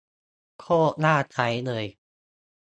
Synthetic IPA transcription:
kʰoː˥˩naː˥˩t͡ɕʰa˦˥jlɤː˧j

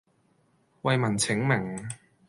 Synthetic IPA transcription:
wɐ˨˧jmɐ˨˩nt͡sʰɪ˨˥ŋmɪ˨˩ŋ

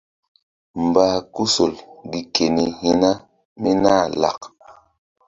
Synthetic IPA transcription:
m˨baː˨˦ku˦so˨lɡi˨kʰe˨ni˨hi˦na˦ | mi˦na˦˨la̰˨k

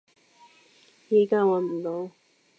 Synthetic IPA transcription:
jiː˨˩kaː˥wɐ˨˧nm̩˨˩t̪o˨˧w

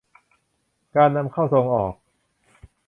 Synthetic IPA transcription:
kaː˧nːa˧mkʰa˥˩wso˧ŋʔɔː˨˩k̚

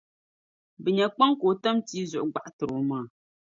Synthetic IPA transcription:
bɨ˨ɲɛ˨k͡pa˦ŋ˦koː˨tɛ˦mtiː˦zʊ˨ʔɡ͡ba˦˨ʔtɨ˨ɾo˨maː˦˨

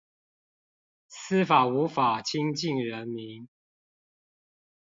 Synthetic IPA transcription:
s̩˦fa˨˩u˨˦fa˨˩t͡ɕʰi˦ŋt͡ɕi˥˨ŋɻə˨˦nmi˨˦ŋ

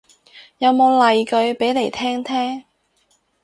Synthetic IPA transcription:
jɐ˨˧wmo˨˧wlɐ˨jkɵ˨˧ɥpe˨˥jle˨˩jt̪ʰɛː˥ŋt̪ʰɛː˥ŋ

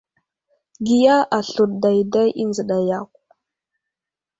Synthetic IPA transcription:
ɡi˦ja˦ʔa˨ɬu˨t̚da˨jda˦jʔi˦nzə˨ɗa˨ja˦˨k̚ʷ

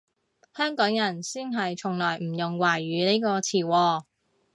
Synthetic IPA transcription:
hœː˥ŋkɔː˨˥ŋjɐ˨˩nsiː˥nɦɐ˨jt͡sʰʊ˨˩ŋlɔː˨˩jm̩˨˩jʊ˨ŋwaː˨˩jːyː˨˧niː˥kɔː˧t͡sʰiː˨˩wɔː˧

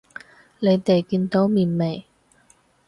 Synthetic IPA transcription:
le˨˧jt̪e˨jkiː˧nt̪o˨˥wmiː˨˩nme˨˩j

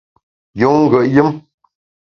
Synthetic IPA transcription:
jo˨ŋŋ̩˦ɡə˨ʔjə˦m

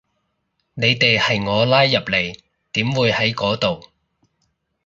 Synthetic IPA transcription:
ne˨˧jt̪e˨jhɐ˨jŋɔː˨˧laː˥jːɐ˨p̚le˨˩j | t̪iː˨˥mwuː˨˧jhɐ˨˥jkɔː˨˥t̪o˨w

